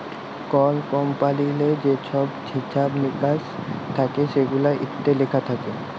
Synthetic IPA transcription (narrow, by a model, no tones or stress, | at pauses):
kɔlkɔmpaliled͡ʑeʃʰɔbʱiʃʰabmikast̪ʰakeʃeɡulaʔit̪ːelekʰat̪ʰake